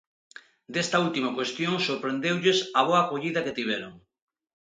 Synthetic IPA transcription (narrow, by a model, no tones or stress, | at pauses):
d̪est̪ɐult̪imɐkwest̪joŋsoɾpɾend̪ewʎesɐβoakoʎiðɐket̪iβeɾo̰ŋ